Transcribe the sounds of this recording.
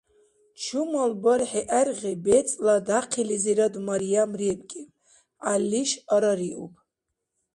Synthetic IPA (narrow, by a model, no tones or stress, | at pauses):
t͡ʃʰumalbaɾħiʔærʁibɛt͡sʼlad̪aqʰiliziɾad̪maɾijamribkʼi | alːiʃaɾaɾiʔupʰʼ